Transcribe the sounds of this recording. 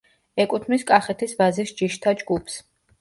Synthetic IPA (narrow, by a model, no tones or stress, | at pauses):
ɛkʼut̪ʰmiskʼaχɛt̪ʰisvazisd͡ʒiʃt̪ʰad͡ʒɡupʰs